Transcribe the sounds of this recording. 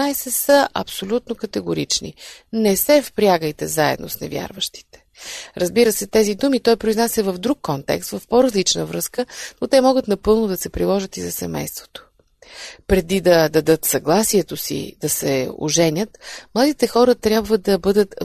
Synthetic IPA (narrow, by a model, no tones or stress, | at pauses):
ajsɛsəʔɐ̰psolʲut̪nokɐt̪ɛɡʊɾit͡ʃnḭnɛsɛfpɾʲaɡəjt̪ɛzaɛ̰d̪no̰snɛ̰vʲja̰ɾvəʃt̪i̥t̪ɛ̥ɾɐzbiɾəsɛt̪ɛzid̪umit̪ɔjpɾoiznasʲəvəvd̪ɾukːɔnt̪ɛ̰kst̪vɐfpoɾɐzlit͡ʃnəvɾɤskənot̪ɛmɔɡət̪nɐpɤlˠnod̪ɐsɛpɾilˠɔʒət̪izɐsɛmɛ̰jst̪vo̥t̪o̥ | pɾɛd̪id̪ɐd̪ɐd̪ɤt̪sɐɡlˠasiɛt̪osḭd̪̥ɐsɛo̰ʒɛnʲət̪mlˠad̪it̪ɛxɔɾət̪ɾʲjabvəd̪ɐbɤd̪ət̪